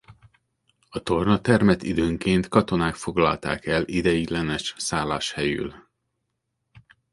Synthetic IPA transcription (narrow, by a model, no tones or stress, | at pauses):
ɒt̪o̞rnɒt̪ɛrmɛt̪id̪øːŋkeːnt̪kɒt̪o̞naːkfo̞ɡlɒ̰lt̪a̰ːkɛlid̪ɛjid̪lɛnɛʃsaːlːa̰ːʃhɛjy̰l